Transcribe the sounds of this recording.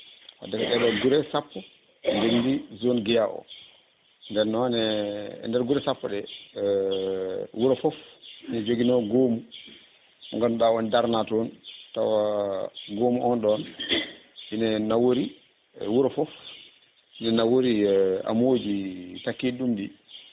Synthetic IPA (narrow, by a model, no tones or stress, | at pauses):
wa̰dakaɗɛɗɔɡuɾɛsapːɔ | ndendizonɡɛjaʔɔ̰ | ndɛnɔnɛ̰ndɛɾɡuɾɛsapːɔɗɛ | wuɾɔfɔfinɛd͡ʒoɡinɔɡomu | ɔ̰ŋɡanɗawɔndaɾnatɔnta̰wa | ɡomuʔɔnɗɔn | inɛnawoɾi | wuɾɔfɔf | inɛnawoɾia̰mod͡ʒitakːiɗumdi